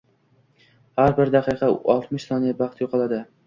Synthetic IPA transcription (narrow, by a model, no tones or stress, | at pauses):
haɾbɪɾd̪ɑqʰɨqʰɑɒlˠt̪mɪʃsɒnijabɑχt̪joqʰɑlad̪ɪ